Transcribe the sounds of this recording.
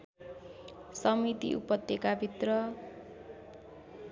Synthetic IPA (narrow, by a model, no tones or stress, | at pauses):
sʌmit̪ḭʔṵpʌt̪ːekabʱit̪rʌ